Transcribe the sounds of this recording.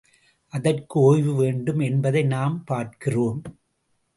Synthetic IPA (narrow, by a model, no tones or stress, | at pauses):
ʔɐðɐrkɯoːjʋɯʋeːɳɖɯmɛnbɐðɐɪnaːmpaːɾkɪroːm